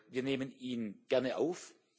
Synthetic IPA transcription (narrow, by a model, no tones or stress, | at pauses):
viːɐneːməniːnɡ̥ɛɐnəʔaʊf